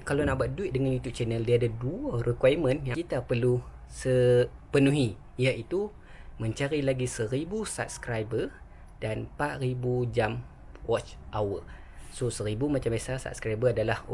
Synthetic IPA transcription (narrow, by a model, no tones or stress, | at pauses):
kalonãʔbaʔduɪt̪̚dəŋanit̪uʔ̚t͡ʃɛnəldiadaduərəkwajmə̃njãit̪apərlu | səpənũɦi | jaʔit̪u | mə̃ɲt͡ʃaɾilaɡisəɾibusa̰p̚skɾajbə | d̥anpaʔribud͡ʒam | wɔt͡ʃʔawə | sosəɾibumãt͡ʃambasasa̰p̚skɾajbəadalah